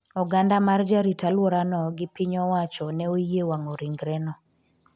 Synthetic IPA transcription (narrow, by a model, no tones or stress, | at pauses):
ɔɡandamard͡ʒaɾitalwoɾanɔɡɪpiɲɔwat͡ʃɔnɛojewaŋoɾiŋɡɾɛnɔ